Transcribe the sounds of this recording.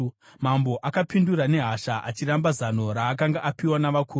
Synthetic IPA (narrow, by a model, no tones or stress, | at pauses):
mambo̞ʔakapindurane̞ɦaʃaʔat͡ʃirambazano̞ɾaːk̬aŋɡaʔapiwanaʋakʰuː